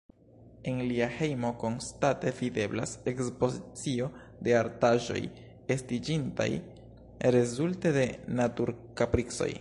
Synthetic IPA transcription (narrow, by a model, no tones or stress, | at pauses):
e̞nliahe̞jmo̞ko̞nstate̞vide̞blase̞kspo̞zit͡sio̞ | de̞aɾtaʒo̞̰j | e̞stid͡ʒinta̰j | ɾe̞zulte̞de̞natuɾkapɾikso̞̰j